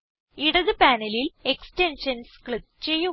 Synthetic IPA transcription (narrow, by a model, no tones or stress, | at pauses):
iɽɐðɨpaːnɐlile̞kstenʂɐnskɭip̪̚t͡ɕe̞jːu